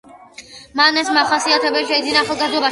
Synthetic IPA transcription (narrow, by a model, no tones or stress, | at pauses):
manɛsmaχasiat̪ʰɛbɛʃɛid̪zinaːχalˠɡazd̪ɔba